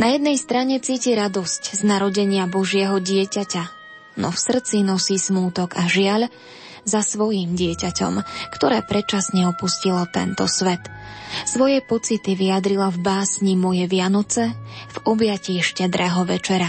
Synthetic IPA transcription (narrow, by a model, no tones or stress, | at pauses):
najɛd̪̚nɛjst̪ɾaɲɛt͡siːciɾad̪ɔscznaɾɔɟɛɲɪabɔʒɪɛɦɔɟɪɛcaca | nɔfsr̩t͡sinɔsiːsmuːt̪ɔɡaʒɪaʎ | zasʋɔjimɟɪɛcacɔ̰mkt̪ɔɾɛːpɾɛt͡ʃasɲɛɔpuscilat̪ɛ̰nt̪ɔsʋɛt̪sʋɔjɛpɔt͡sit̪iʋijad̪ɾilavbaːsɲimɔjɛʋɪanɔt͡sɛvɔbjaciːʃcɛd̪ɾɛːɦɔʋɛt͡ʃɛɾa